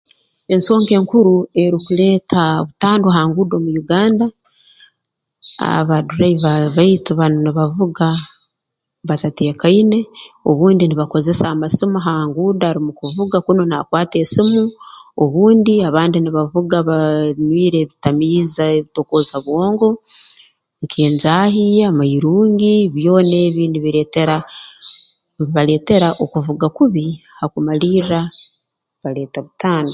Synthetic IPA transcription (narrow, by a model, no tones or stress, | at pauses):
e̞nso̞ːŋke̞ːŋkuɾue̞ɾikule̞ːtʰa̰βutaːndoɦaːŋɡuːdo̞ːmujuɡaːnda | a̰βaduɾaiβaβaitiβanoniβavuɡa | βatate̞ːkaine̞o̞βuːndiniβako̞ze̞saːmasimaɦaːŋɡudaːɾimukuvuɡakuno̞nakwaːte̞ːsimuo̞βuːndiaβaːndiniβavuɡaβanwiːɾe̞βitamiːzaeβito̞koːzaβwo̞ːŋɡo̞ | ŋkʰeːnzaɦiamaiɾuːŋɡiβjo̞ːneːβiːniβiɾeteɾa | βale̞ːte̞ɾaʔokuvuɡakuβihakumaliɾa | βale̞ːtaβutaːnda